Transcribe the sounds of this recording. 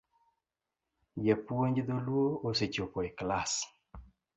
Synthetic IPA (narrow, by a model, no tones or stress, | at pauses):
jepwoɲd͡ʒd̪olwooset͡ʃopɔɪklas